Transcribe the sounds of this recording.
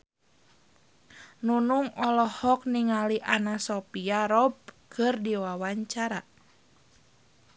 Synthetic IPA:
nunuŋɔlɔhɔk̚niŋaliʔanasɔpiaɾɔb̚kʰɨrdiwawaɲt͡ʃaɾa

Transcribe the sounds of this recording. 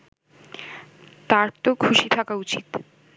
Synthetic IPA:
t̪aɾt̪okʰuʃit̪ʰakaut͡ɕit̪

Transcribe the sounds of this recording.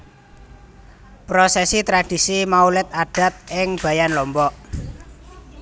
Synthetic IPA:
pɾosɛsit̪ɾad̥i̤simaulɪt̪̚aɖ̥a̤t̪̚ɪŋb̥a̤janlɔmbɔʔ

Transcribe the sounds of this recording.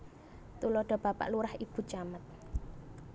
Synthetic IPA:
t̪ulɔɖ̥ɔ̤b̥a̤pa̰ʔluɾahib̥ṳt͡ʃamət̪̚

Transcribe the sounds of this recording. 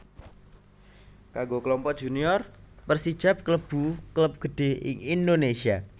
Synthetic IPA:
kaɡokəlɔmpɔd̥ʒ̥uniɔrpərsid̥ʒ̥ap̚kləb̥ṳkləp̚ɡ̥ə̤ɖ̥e̤ɪ̰ŋindonesia

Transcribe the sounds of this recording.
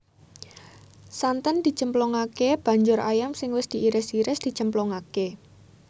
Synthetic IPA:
sant̪ənd̪̥i̤̥t͡ʃəmplɔŋakeb̥ä̤ɲd͡ʒʊɾajamsɪŋwɪsd̪̥i̤ʔiɾɪsiɾɪsd̪̥i̤̥t͡ʃəmplɔŋake

